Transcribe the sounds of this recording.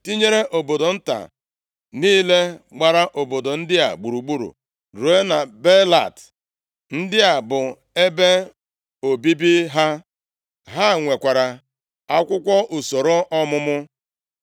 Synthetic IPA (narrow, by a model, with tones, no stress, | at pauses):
ti˦ɲe˦ɾe˦ʔo˨bo˨do˨n̩˦ta̰˨ | niː˦le˦ɡ͡ba˨ɾa˦ʔo˨bo˨do˨n̩˦dɪ˦a̰˨ɡ͡bu˨ɾu˨ɡ͡bu˦ɾṵ˨ | ɾu˨e˦na˨be˦la̰˨t | n̩˦dɪ˦a˨bʊ˨ | e˦be˦ | o˨bi˦bi˦ɦa˦ | ɦa˦˨ŋʷe˨kʷa˨ɾa˨ | a˦kʷʊ˦kʷɔ˦ʔu˨so˨ɾo˦ʔɔ˦mʊ˦mʊ˦